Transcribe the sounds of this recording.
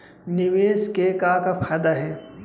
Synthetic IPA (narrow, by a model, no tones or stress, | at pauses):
nɪʋeːskekakapʰaːd̪aɦɛː